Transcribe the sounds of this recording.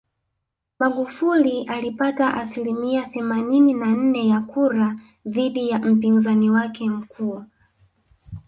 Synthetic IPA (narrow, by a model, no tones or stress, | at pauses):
maɠufuliʔalipataʔasilimiaθɛmanininan̩nɛjakuɾa | ðiɗijam̩pinzaniwakɛm̩kʰu